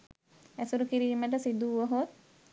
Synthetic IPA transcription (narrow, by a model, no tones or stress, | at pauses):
æsuɾukiɾiːməʈ̬əsid̪uʋəɦot̪̚